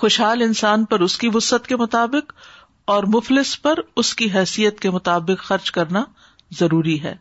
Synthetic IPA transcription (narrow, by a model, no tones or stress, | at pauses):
xʊʃɦaːlɪnsaːnpɐɾʊskiʋʊsət̪kemʊt̪aːbɪq | ɔːɾmʊflɪspɐɾʊskiɦɛːsijət̪̚kemʊt̪aːbɪqxɐɾt͡ʃkɐɾna | zɐɾuːɾiɦɛ̰ː